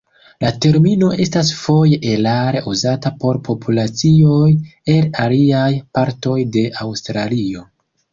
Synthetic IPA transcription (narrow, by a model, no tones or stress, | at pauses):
late̞ɾmino̞ʔe̞stasfo̞jeʔelaɾe̞ʔuzatapo̞ɾpʰo̞pʰulat͡sio̞je̞laliajpaɾto̞jde̞ʔawstɾalio̞